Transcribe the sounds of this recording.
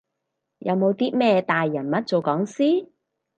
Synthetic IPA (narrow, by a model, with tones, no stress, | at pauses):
jɐ˨˧wmo˨˧wt̪iː˥mɛː˥t̪aː˨jːɐ˨˩nmɐ˥t̚t͡so˨wkɔː˨˥ŋsiː˥